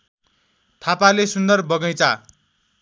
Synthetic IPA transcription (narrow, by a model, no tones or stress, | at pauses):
t̪ʰapalesund̪ʌrbʌɡʌjt͡sa